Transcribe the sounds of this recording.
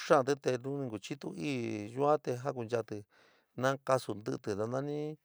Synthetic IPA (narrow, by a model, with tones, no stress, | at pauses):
ʂã˦˨˧t̪ɨ˦t̪e˧nũ˦nĩ˧ɡu˨t͡ʃi˦t̪ṵ˦iː˦˨ʒu˧˦ã˦t̪e˧ɦa˦k̬u˧nd͡ʒa˧t̪ɨ˧ | nã˦ka˧su˧nd̪ɨ˧ʔt̪ɨ˨ða˧nã˦˧nĩ˦